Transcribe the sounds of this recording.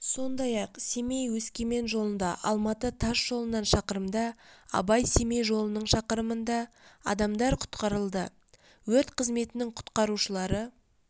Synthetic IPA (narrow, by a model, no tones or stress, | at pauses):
so̞nd̪ɑjɑqse̞mejwɵskʲe̞me̞nʒo̞lˠənd̪ɑʔɑ̰lˠmɑt̪ət̪ʰɑʃʒ̥o̞lˠənɑnʃɑqəɾəmd̪ɑɑ̰bɑjse̞mejʒo̞lˠənəɴʃɑqəɾəmənd̪ɑ | ɑ̰d̪ɑmd̪ɑɾqʰʊ̥t̪qɑɾəlˠd̪ə | wɵɾt̪qʰəzme̞t̪ɪnɪŋqʰʊ̥t̪qɑɾuʃəlˠɑɾə